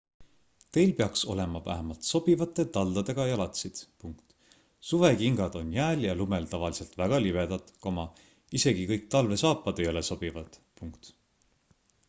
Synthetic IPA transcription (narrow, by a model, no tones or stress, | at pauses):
t̪e̞jlpeɑkso̞̰le̞mɑvæ̰ɦemɑlt̪so̞b̥ivɑt̪ːˑe̞t̪ɑld̪̥ɑd̪e̞ɡ̥ɑjɑlɑt̪sid̪̥puŋkt̪ | suve̞kiŋɡɑd̪̥o̞njæːljɑlume̞lt̪ɑvɑlise̞lt̪væɡ̥ɑlibe̞d̪̥ɑt̪komɑ | ise̞ɡ̥ikɤjk̚t̪ɑlve̞sɑːpːˑɑd̪ejɑleso̞b̥ivɑd̪̥puŋkt̪